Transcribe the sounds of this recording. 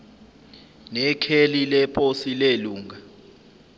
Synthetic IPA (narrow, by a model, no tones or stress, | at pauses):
nɛkʰelilɛpʼʰosileluːŋa